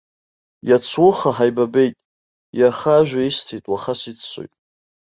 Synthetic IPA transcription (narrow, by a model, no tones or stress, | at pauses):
jat͡sʰwʊχaħajbabe̞jtʼ | jaχaʒᶣʷaistʰejtʼwaχasit͡sʰːʷo̰jtʼ